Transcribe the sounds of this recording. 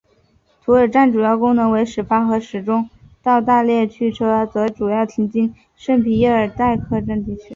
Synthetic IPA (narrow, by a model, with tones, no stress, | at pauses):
t̪ʰu˧˥ə˞˨˩ʈ͡ʂa˥˩nʈ͡ʂu˨˩jɑ˥˩ʊkʊ˥ŋnɤ˧˥ŋwe˧˥ɪʂɻ̩˨˩fa˥xɤ˧˥ʂɻ̩˨˩ʈ͡ʂʊ˥ŋ | t̪ɑ˥˧ʊt̪a˥˧ljɛ˥˧t͡ɕʰy˥˩ʈ͡ʂʰɤ˥t͡s̪ɤ˧˥ʈ͡ʂu˨˩jɑ˥˩ʊt̪ʰi˧˥ŋt͡ɕi˥n | ʂə˥˩ŋpʰi˧˥jɛ˥˩ə˞˨˩t̪a˥˧ɪkʰɤ˥˧ʈ͡ʂə˥˧nt̪i˥˩t͡ɕʰy˧˥